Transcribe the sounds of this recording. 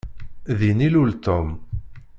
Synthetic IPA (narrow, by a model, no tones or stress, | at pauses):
ðinilult̪ɔm